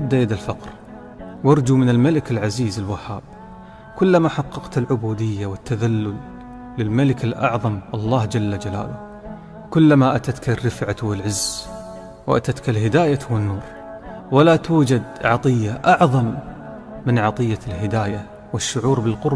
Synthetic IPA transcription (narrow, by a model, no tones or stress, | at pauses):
abd̪ajad̪alfɑqɾ | wɑɾˤd͡ʒumɪnɪlmalɪkɪlʕaziːzɪlwaħaːb̚ | kʊlːamaħɑqːɑqt̪ɪlʕʊbuːd̪ɪjːawɪt̪ːaðalːʊlː | ɪlmalɪkɪlʔɑ̰ʕðˤɑmʔɑlˤːɑːhd͡ʒalːad͡ʒala̰ːlʊ | kʊlːamaʔat̪at̪karːɪfʕawɪlʕɪzː | wʔa̰t̪at̪kalɦɪd̪aːjawɪnːuːɾ | walat̪uːd͡ʒad̪ʕɑt̪ˤɨjːaʔɑʕðˤɑmː | ɪnʕɑt̪ˤɨjːalɦɪd̪aːja | wɪʃːʊʕuːɾbɪlqʊɾ